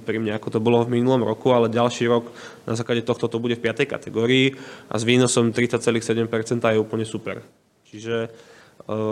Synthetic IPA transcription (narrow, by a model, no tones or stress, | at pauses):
pɾimɲɛakɔt̪ɔbɔlɔvminulɔmɾɔkualɛɟalʃiːɾɔɡ | na̰zaːklaɟɛt̪ɔxt̪ɔt̪ɔbuɟɛfpɪat̪ɛjka̰t̪ɛɡɔːɾiːʔa̰zʋiːnɔsɔmt̪ɾit͡sat͡sɛliːxsɛɟɛmpɛɾt͡sɛnt̪aːjɛuːpl̩ɲɛsupɛ̰ɾ | t͡ʃiʒɛ